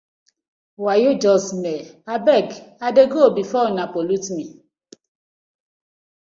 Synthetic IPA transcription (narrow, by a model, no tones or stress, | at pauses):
wajod͡ʒɔsmɛabɛɡadeɡobifɔnapolutmi